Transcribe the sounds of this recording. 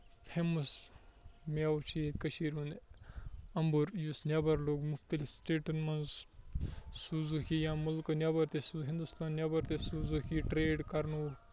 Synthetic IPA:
pʰemɐs | mjawt͡ʃʰit̪kɐʃiːɾũnd̪e | ɐmbuɾjusnʲjabɐɾloːɡmuxt̪ɐlifsʈeːʈɐnmɐnz | suːzukʰijãːmulkɐnʲjabɐɾt̪esuɦĩnd̪ust̪aːnnjabɐɾt̪esuːzukʰiʈɾeːɖkɐɾnuː

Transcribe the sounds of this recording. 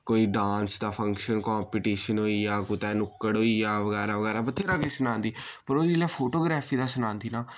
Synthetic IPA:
koːiːɖãːnsd̪aːpʰəŋkʃənkɔːmpiːʈiːʃənɦoːiːjaːkʊt̪ɛːnʊkːəɽɦoːiːjaːʋəɡɛːɾaːʋəɡɛːɾaːbət̪ʰːeːɾaːkesənãːnd̪iːpəɾoːd̪iːlɛːpʰoːʈoːɡɾɛːpʰiːd̪aːsənãːnd̪iːnaː

